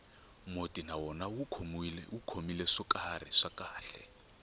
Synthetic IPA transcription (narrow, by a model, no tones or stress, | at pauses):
motʼinawɔnawuukʰomilɛʂɔkʼarḭʂakʼaːɬɛ̰